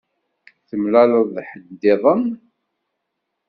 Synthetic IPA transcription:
θəmlæləðˤħəd̪ːɪðˤəm

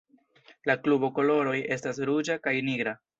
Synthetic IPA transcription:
laklubo̞ko̞lo̞ɾo̞je̞stas̬ɾud͡ʒakajniɡɾa

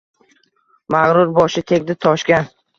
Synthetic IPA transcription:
maʁɾʊɾbɒʃɪt̪ʰeɡ̚ʲd̪ɪt̪ʰɒʃkʲan

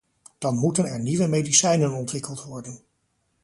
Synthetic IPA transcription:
d̥ɑnmutənɛɹniʋəmejdisɛjnənɔntʋɪkəlˠtʋɔɹdən

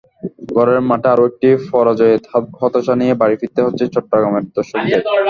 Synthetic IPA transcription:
ɡʱɔɾeɾmaʈeaɾoek̚ʈifɔɾad͡ʑɔehɔt̪aʃanijebaɾifit̪ːeɦotːɕʰet͡ɕɔʈːoɡɾameɾd̪ɔʃoɡid̪e

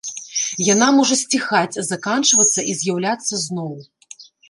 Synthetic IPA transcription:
janamɔʐɐsʲt͡sʲixat͡sʲzakant͡ʂvɐt̪sːɐʔizʲjawlʲat̪sːɐznɔw

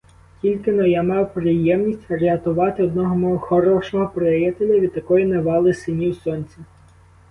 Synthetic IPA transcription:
kʲilʲkɪnɔjamɑwpɾɪjɛmnʲisʲtʲɐɾeɐt̪ʊʋɑt̪ɪɔd̪̚nɔɦɔmɔɦɔxɔɾɔʃɔɦɔpɾejɛt̪elʲɐʋʲid̪̚t̪ːɐkɔjineʋɑlˠɪsɪnʲiwsɔnʲt͡sʲi

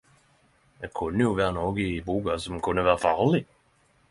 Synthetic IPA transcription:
j̪ɛkʰɵnːəjʊvæːɾanoːɡɪbuːɡasɔmkʰɵnd̪əvɑːɾafɑːɭɪ

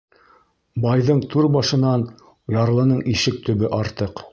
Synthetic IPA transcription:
bɑjðɤɴt̪ʰʉɾbɑʃɤ̆nɑn | jɑɾlˠɤ̆nɤɴʔiʃɘk̚t̪ɵ̆βɘʔɑɾt̪ɤq

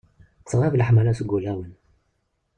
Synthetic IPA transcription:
t͡sʁˤivlħmælæsɡulæwən

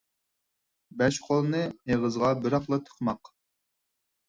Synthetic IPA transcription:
bɛʃqʰolˠɨnɨeʁəzʁɑbɪɾɑχlˠɑt̪ʰə̥χmɑq

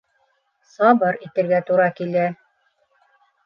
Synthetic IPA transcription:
sɑbɤɾit̪ɘ̆ɾɡæt̪uɾɑkilæ

